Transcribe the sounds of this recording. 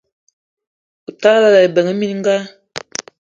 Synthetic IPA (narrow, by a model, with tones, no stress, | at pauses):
u˨ta˦la˦la˨e˨bə˨ŋə˦mi˦n˦ŋ̩˦ɡa˦